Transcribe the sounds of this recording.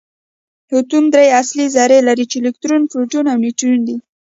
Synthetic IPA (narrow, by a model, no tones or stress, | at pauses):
hʊt̪umd̪ɾejaslizɑɾelaɾit͡ʃelɪkt̪ɾonfɾoʈunawniʈuund̪i